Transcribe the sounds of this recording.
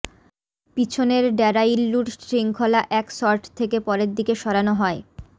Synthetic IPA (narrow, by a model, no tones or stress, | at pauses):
pit͡ɕʰoneɾɖɛɾailːuʈsɾiŋkʰolaʔɛksɔɾʈʰt̪ʰːekepɔɾeɾd̪ikeʃɔɾanoɦɔe